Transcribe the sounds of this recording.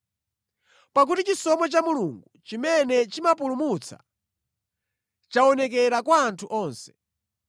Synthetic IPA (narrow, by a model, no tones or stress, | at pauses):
pak̬utit͡ʃisɔmɛt͡ʃamuluŋɡut͡ʃimɛnɛt͡ʃimap̬ulumut͡sʰa̰ | t͡ʃaɔnɛkɛɾakwaːntʰuʔɔːnsɛ̥